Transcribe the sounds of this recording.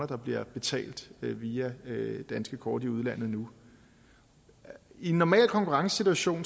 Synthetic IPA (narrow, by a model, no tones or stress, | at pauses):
ɐd̥ɑ̈b̥liɐb̥e̝t͡sʰɛ̰ːld̥ʋiːæd̥ænsɡ̥əkʰɒːd̥iuðˠlæn̰ð̞̩ˠnu | inːɒmɛ̰ːlkʰɒ̽ŋkʰuʁɑ̈ŋsəsit͡sʰuæɕo̝̰ːn